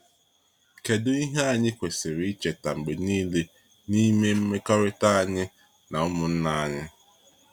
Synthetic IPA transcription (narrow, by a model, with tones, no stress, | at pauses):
ke˨dʊ˦i˦ɦe˦a˨ɲɪ˦kʷe˨sɪ˨ɾɪ˨˦i˦t͡ʃe˨ta̰˨ŋ͡m̩˨ɡ͡be˨niː˦le˦ | ni˦me˦m̩˦me˦kɔ˦ɾɪ˦ta˦a˨ɲɪ˦ | na˨ʊ˦mʊ˨n̩˦na˦a˨ɲɪ˦